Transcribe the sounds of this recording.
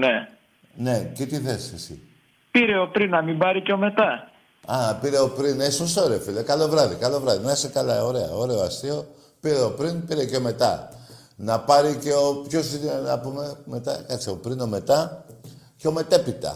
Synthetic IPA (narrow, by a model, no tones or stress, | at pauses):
ne | ne̞cet̪iθe̞sesḭ | piɾe̞o̞pɾinːɐmimbɐɾiceome̞t̪ɐ | ɐpiɾe̞o̞pɾinesosooɾeofilekɐlovɾɐðikɐlo̞vɾɐðinɐisekɐlɐo̞ɾe̞ɐ̰o̞ɾe̞oɐst̪io̞ | piɾe̞o̞pɾinpiɾe̞ceome̞t̪ɐ̰ | nɐpɐɾice̞opço̞sinenɐ̰pume̞me̞t̪ɐkɐkt͡sio̞pɾino̞me̞t̪ɐ | ceo̞me̞t̪e̞pit̪ɐ̰